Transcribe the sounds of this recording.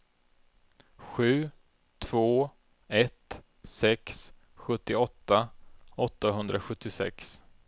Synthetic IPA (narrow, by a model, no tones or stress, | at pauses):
ɧʉ̟ː | t̪ʰv̥oː | ɛt̪ | sɛks | ɧɵt̪ːɪɔt̪ːaɔt̪ːaɦɵnd̪ɾaɧɵt̪ːɪsɛ̰ks